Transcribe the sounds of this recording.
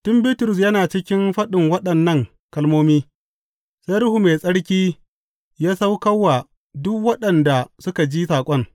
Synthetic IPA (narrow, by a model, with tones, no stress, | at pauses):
tʊ˦mbi˦tʊ˨ɾʊ˨s̬jɐ˦naː˨t͡ʃɪ˦kʲɪ˦nɸɐ˦ɗɪ˨ŋwɐ˦ɗɐ˨nːɐ˦ŋ | kɐ˦lmoː˦miː˦ | sa˦jɾʊ˦hu˨meː˨sʼɐ˦ɽkʲiː˦ | jaː˦sa˦wkɐ˦wːa˨ | dʊ˦kwɐ˦ɗɐ˨nda˨sʊ˦ka˨d͡ʒiː˦saː˨kʷʼɔ˦ŋ